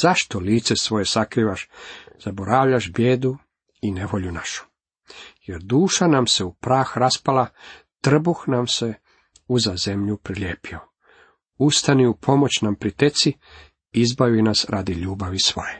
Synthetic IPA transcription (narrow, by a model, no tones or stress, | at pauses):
z̥aʃt̪oliːt̪se̞sʋo̞je̞sakɾiːʋaʃz̥aboɾaʋʎaʃbjeːd̪u | ine̞ʋo̞ʎunaʃu̥ | je̞ɾd̪uːʃanamse̞upɾaːxɾaspala | t̪r̩buxnamse̞ | uzaze̞mʎupɾilʲjeːpio | ust̪aniupʰo̞mo̞t͡ɕnampɾit̪et̪si | izbajuinasɾʔad̪iʎuːbaʋisʋo̞̰je